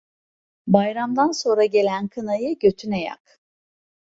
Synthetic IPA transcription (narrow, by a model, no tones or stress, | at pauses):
bajɾamd̪anso̞nɾaɟe̞lʲænkʰɯnajɯɟø̞t̪ʰyneja̰k